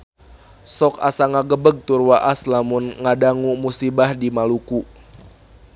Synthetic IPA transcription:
sɔka̰saŋaɡəbəɡ̚t̪urwaʔaslamunŋadaŋumusibahdimaluku

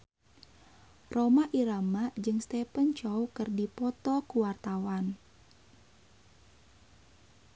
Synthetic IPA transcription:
romaʔiɾamad͡ʒɨŋst̪ɛpənt͡ʃɔwkɨrdipɔt̪ɔkuwart̪awan

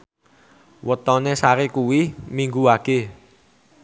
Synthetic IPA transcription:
wət̪ɔnesaɾekuwimiŋɡuake

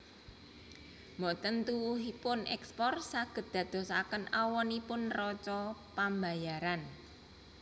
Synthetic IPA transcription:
mɔʔt̪ənt̪uwuɦipʊnɛ̰kspɔrsaɡ̥ə̤t̪̚d̪̥ä̤d̪̥ɔ̤sakənawɔnipʊnrɔt͡ʃɔpambajaɾan

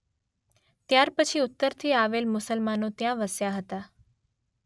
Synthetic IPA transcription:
t̪jaɾpət͡ʃʰiʊt̪ːəɾt̪ʰiaʋelmʊsəlmanõt̪jãʋəsjaɦət̪a

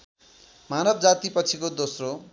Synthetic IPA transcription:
manʌbd͡zat̪ipʌt͡sʰikod̪osro

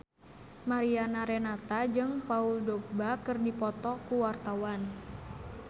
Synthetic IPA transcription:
maɾianaɾɛnat̪ad͡ʒɨŋpauldɔɡ̚bakɨrdipɔt̪ɔkuwart̪awan

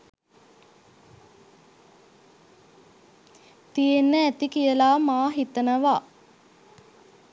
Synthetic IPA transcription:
t̪ijenːəæt̪ikijəlaːmaːɦit̪ənəʋaː

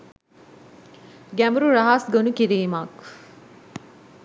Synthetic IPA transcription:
ɡæməɾuɾaɦasɡonukiɾiːmak

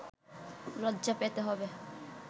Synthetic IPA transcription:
lɔdd͡ʒapet̪eɦɔbe

